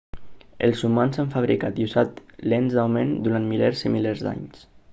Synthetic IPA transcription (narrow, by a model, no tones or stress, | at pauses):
ə̰lˠzumanzaɱfaβɾikat̪jusat̪lenzd̪awmend̪uɾanmileɾzimileɾzd̪a̰ɲs